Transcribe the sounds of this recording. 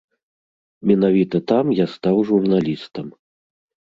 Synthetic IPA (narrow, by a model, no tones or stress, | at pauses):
mʲɛnavʲit̪ɐt̪amjast̪awʐurnalʲist̪ɐm